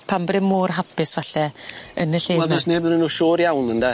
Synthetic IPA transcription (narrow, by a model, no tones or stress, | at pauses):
pʰambɾɛmuːrɦapʰɪsvaɬɛənəɬeːɛlˠɛsneːbənənuːʃoːɾjawnənda